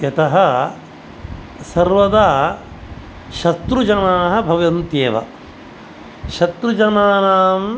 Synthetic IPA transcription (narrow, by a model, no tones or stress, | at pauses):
ɐt̪ɐɦɐ̆ | sɐɾʋɐd̪aː | ʃɐt̪ɾud͡ʒɐnaːɦɐ̆bʱɐʋɐnt̪jeːʋɐ̰ | ʃɐt̪ɾud͡ʒɐnaːnaːm